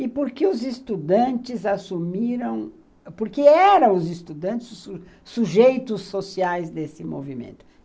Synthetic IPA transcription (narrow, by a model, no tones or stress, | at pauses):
ɪpoɾkeʊzɪst̪ud̪ɐ̃t͡ʃɪzasumiɾɐ̃w̃ | poɾkeɛɾɐ̃w̃ʊzɪst̪ud̪ɐ̃nt͡ʃɪzsu | suʒejt̪ʊsːosiajzd̪esɪmo̰vimḛ̃nt̪ʊ̥